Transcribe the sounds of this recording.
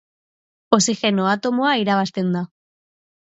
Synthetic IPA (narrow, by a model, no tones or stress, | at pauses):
o̞sixe̞noat̪o̞moaiɾaβ̞ast̪e̞nd̪a